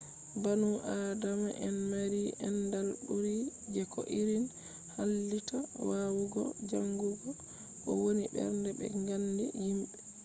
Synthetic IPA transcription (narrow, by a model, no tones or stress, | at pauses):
banuʔaːdamaʔɛnmaɾiʔɛndalɗuɾid͡ʒɛkʰɔ̰ʔiɾin | halːitawawuɡɔ̰d͡ʒaŋɡuɡɔ | ʔɔ̰wonibɛ̰ɾndɛbɛ̰ŋɡandḭhimɓɛ